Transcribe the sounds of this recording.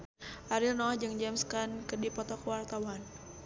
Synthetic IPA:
ʔaɾilnɔhd͡ʒɨŋd͡ʒɛmskankədipɔt̪ɔkəwart̪awan

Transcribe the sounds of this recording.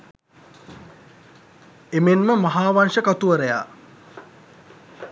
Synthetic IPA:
emenməmaɦaːʋanʂəkat̪uʋəɾəja̰ː

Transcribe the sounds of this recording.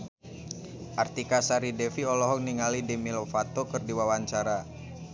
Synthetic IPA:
ʔart̪ikasaɾidɛfiɔlɔɦɔk̚niŋalidɛmilofat̪okɨrdiwawaɲt͡ʃaɾa

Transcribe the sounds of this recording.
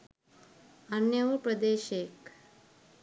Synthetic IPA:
anjəʋəpɾəd̪eːʃeːk

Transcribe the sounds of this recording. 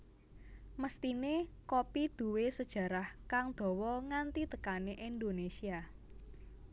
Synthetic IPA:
məst̪inekopid̪̥ṳwesəd̥ʒ̥ä̤ɾahkaŋd̪̥ɔ̤wɔŋant̪it̪əkaneʔind̪onesia

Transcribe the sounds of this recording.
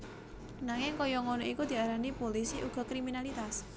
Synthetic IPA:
naŋɪŋkɔjɔŋonɔikud̪̥i̤aɾanipolisiʔuɡ̥ɔ̤kɾiminalit̪as

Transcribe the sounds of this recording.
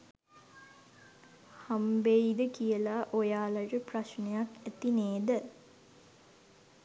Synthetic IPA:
hambeid̪əkijəlaʔojaːlaʈəpraʃnejakæt̪ineːd̪ə

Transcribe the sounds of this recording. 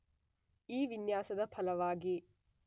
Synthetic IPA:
iːʋinjaːsɐd̪ɐpʰɐlɐʋaːɡi

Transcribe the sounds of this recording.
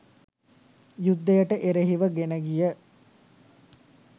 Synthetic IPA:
jud̪ːejəʈəʔeɾeɦiʋəɡenəɡijə

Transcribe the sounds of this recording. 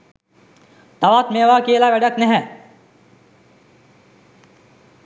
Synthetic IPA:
t̪ɐʋaːt̪meːʋaːkeːlaːʋɛɖɐknɛɦɛ̃

